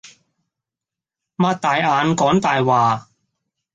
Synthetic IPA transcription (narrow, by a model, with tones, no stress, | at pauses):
maː˧˥t̚t̪aː˨˧jaː˨˧nkɔː˨˥ŋt̪aː˨jwaː˨˩